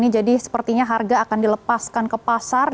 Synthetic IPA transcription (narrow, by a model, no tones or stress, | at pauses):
nid͡ʒadisə̥pərt̪iɲaɦarɡaːkandiləpaskankəpasar